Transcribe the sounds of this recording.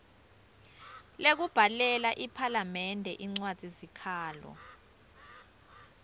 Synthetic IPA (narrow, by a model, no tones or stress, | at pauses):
lek̬ub̥ʱalɛlaʔipʰalamɛndʱɛʔiŋ͡ǀwad̥z̥ʱizikʰaːlɔ̰